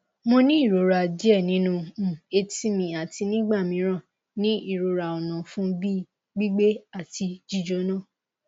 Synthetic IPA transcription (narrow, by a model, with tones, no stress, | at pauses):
mo˧nĩ˦i˦˨ɾo˨˦ɾa˨d͡ʒi˦ɛ˦˨nĩ˨˦nũ˧˨e˧ti˦mĩ˧a˨ti˧nĩ˦ɡ͡ba˦˨mĩ˧˦ɾ̃ã˦˨ | nĩ˦i˦˨ɾo˨˦ɾa˨o˨nã˨fũ˦bi˦ | ɡ͡bi˦ɡ͡be˦a˦˨ti˧d͡ʒi˦˨d͡ʒo˨˧˦nã˦˨